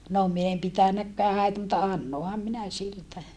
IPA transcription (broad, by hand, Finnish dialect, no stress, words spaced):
no min em pitænækːæː hæitæ mutːɑ ɑnːohɑm minæ siltæ